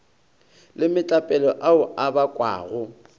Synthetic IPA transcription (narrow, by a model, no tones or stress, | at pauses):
lɪmɪt͡ɬʼapʼɛlɔʔaʊʔabakʼwa̰ːɣʊ